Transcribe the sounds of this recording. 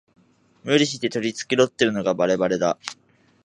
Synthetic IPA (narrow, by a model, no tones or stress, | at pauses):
mɯ̟ɾʲiɕ̬it̪e̞t̪o̞ɾʲit͡sɨ̥kʲiɾo̞t̪ːe̞ɾɯ̟no̞ɡabaɾe̞baɾe̞d̪a